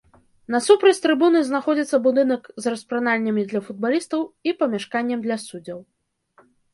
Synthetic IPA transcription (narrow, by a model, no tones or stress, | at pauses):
nɐsupɾɐt͡sʲt̪ɾɨbunɨznaxɔd͡zʲit̪sːɐbud̪ɨnɐkzrɐspɾanalʲːɐmʲid̪lʲɐfud̪̚balʲist̪ɐwipɐmʲaʂkanʲːɛmd̪lʲɐsud͡zʲɐw